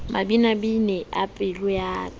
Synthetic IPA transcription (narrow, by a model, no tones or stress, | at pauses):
mabinabinɛʔa̰pʼɪlʊjaː